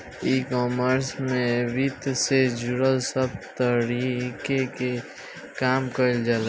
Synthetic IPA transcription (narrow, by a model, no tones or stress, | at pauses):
ikɔːməɾsmẽbit̪sed͡ʒuɾəlsəbt̪əɾikeke | kaːmkəld͡ʒal